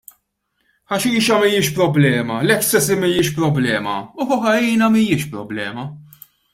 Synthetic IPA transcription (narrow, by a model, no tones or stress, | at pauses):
ħɐʃiːʃɐmijɪːʃpɾɔblɛːmɐlɛkːsɛsimijɪːʃpɾɔblɛːmɐ̰ʊfʊħɐjiːnɐmijɪːʃpɾɔ̰blɛːmɐ